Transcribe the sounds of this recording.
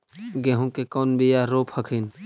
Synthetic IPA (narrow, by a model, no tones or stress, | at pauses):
ɡeɦũkekɔːnbijaɾoːpʰhɐkʰin